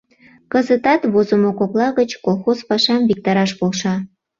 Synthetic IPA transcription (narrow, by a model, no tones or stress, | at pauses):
kəzət̪ɑt̪βozəmokoklɑɣət͡ɕkolˠxozpɑʃɑmvik̚t̪ɑɾɑʃpolʃɑ